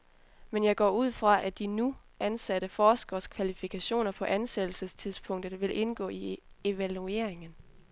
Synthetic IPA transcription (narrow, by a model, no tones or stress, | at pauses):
menjɑɪɡ̥ɒ̰ːuð̞̰ˠfʁɑ̈ʔæd̥inu | ʔænsæɾ̥əfɒːsɡ̥ɐskʰʋælifikʰæɕo̝̰ːnɐpʰɒ̽ʔænsed̥l̩səst͡sʰiðˠspʰɔ̽ŋ̰d̥əð̩ˠʋe̝lʔe̝nɡ̥ɔ̰̽ːi | e̝ʋælue̝ɐeŋən